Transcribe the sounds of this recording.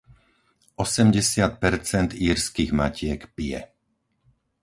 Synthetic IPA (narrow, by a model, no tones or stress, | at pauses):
ɔsɛmɟɛsɪat̪̚pɛɾt͡sɛnd̪iːɾskiɣmacɪɛkpijɛ̰